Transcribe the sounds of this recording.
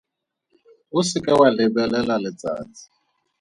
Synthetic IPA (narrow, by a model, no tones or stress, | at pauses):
ʊsɪkʼɛwalɪbɛlɛlalɪt͡sʼa̰ːt͡sʼi̥